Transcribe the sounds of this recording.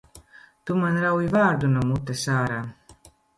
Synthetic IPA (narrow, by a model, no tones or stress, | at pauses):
t̪umanɾawivaːɾd̪unɔmut̪ːesaːɾa